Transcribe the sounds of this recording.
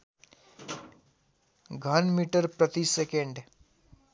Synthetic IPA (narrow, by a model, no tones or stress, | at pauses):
ɡʱɐnmiːʈəɾpɾɐt̪isekẽɳɖ